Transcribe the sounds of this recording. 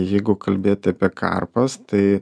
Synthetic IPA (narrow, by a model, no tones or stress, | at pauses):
jɛɪɡʊkɐlʲbʲeːt̪ʲɪɐpʲiɛkʰɐ̰rpɐst̪ɐɪ